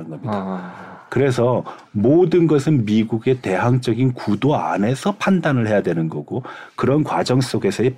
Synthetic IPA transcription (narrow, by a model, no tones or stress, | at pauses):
ɯnɡʌmɲidakɯɾe̞sʰʌ | modɯnɡʌsʰɯnmiɡuɡe̞te̞ɦaŋt͡ɕ͈ʌɡinkudoa̰ne̞sʰʌpʰandanɯɭɦe̞jadwe̞nɯnɡʌɡokɯɾʌnkwad͡ʑʌŋs͈oɡe̞sʰʌe